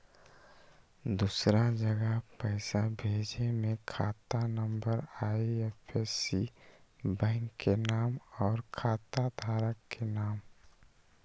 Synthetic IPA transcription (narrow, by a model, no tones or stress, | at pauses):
d̪uːsɾad͡ʒəɡəɦpəɪsabʱeːd͡ʒemẽkʰaːt̪anəmbəɾaiepʰesi | bɛ̃ːŋkːenaːmɔːɾkʰaːt̪ad̪ʱaːɾəkːenaːm